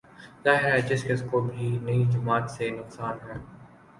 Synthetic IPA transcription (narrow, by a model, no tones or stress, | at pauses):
zaːɦɪɾɦɛd͡ʒɪskɪskobʱinɐid͡ʒʊmaːt̪senʊqsaːnɦɛː